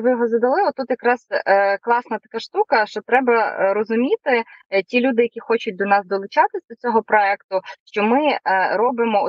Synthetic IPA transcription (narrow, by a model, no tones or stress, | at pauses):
ʋɪjɔɦɔzɐd̪ɐlˠɪɔt̪ːut̪jɐkɾɑzklˠɑsnɐt̪ɐ̥kɑʃt̪ukɐʃt͡ʃɔt̪ɾɛbɐɾɔzʊmʲit̪ɪtʲilʲud̪ɪjɐkʲixɔt͡ʃʊt̚ʲd̪ɔnɑzd̪ɔlˠʊt͡ʃɑt̪ɪsʲɐd̪ɔt͡sʲɔɦɔpɾɔɛkt̪ʊʃt͡ʃɔmɪɾɔbɪmɔ